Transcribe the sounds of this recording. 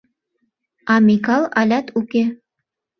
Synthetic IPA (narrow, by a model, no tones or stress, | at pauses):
ɑmikɑlˠɑlʲɑt̪uke